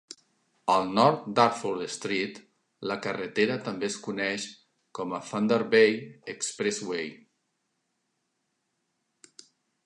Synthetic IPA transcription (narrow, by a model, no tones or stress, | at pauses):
əlˠnɔɾt̪̚d̪aɾfuɾd̪əst̪ɾit̪ | ləkərət̪eɾət̪əmbeskunɛʃ | kɔməfand̪əɾβejəkspɾɛzwej